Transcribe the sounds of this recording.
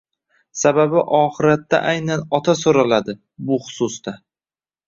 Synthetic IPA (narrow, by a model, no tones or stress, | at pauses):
sababɪʔɒχɨɾat̪ːa̰ʔajnanɒt̪ʰasoɾalad̪ɪ | bʊχʊ̥sʊst̪a